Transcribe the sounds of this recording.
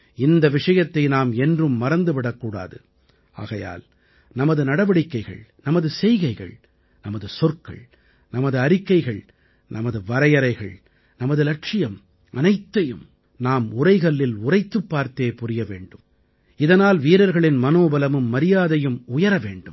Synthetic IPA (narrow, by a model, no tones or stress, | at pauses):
ɪnd̪ɐʋɪʂɐjɐt̪ːɐɪnaːmɛndrɯmːɐɾɐnd̪ɯʋɪɽɐkːuːɽa̰ːðɯ̰ | a̰ːɣɐja̰ːl | nɐmɐðɯnɐɽɐʋɐɽɪkːɐɪɣɐ̰ɭnɐmɐðɯsɛjɣɐɪɣɐ̰ɭ | nɐmɐðɯsɔɾkːɐ̰ɭ | nɐmɐðɯɐɾɪkːɐɪɣɐɭ | nɐmɐðɯʋɐɾɐjɐɾɐɪɣɐ̰ɭ | nɐmɐðɯlɐʈʂɪjɐm | ʔɐ̰nɐɪt̪ːɐjɯm | naːmʊrɐɪɣɐɭːɪlʊrɐɪt̪ːɯpːaːɾt̪eːpʊrɪjɐʋḛːɳɖɯm | ɪðɐnaːlʋiːɾɐɾɣɐɭɪnmɐnoːbɐlɐmɯmːɐɾɪjaːðɐjɯmʊjɐɾɐʋḛːɳɖɯm